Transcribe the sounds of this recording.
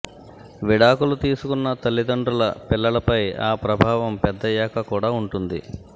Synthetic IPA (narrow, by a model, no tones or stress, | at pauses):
ʋiɽaːkulut̪iːsukunːɐt̪ɐlːid̪ɐɳɖɾulɐ̰pilːɐlɐpɐja̰ːpɾɐbʱaːʋɐmpɛd̪ːɐjɛːkɐkuːɽaːuɳʈund̪ḭ